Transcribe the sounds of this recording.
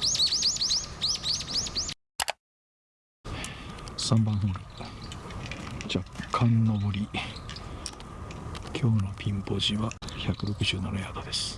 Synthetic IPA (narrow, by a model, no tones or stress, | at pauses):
sãmbãɰ̃ɦɯːɾɯ̟ | d͡ʑakʰːãnːoboɾʲi | kʲʰo̞ːno̞pʲʰĩmpo̞ʑiβaçakɯ̟ɾo̞kɯ̟ʑɨːnonajaːd̪od̪e̞sɨ̥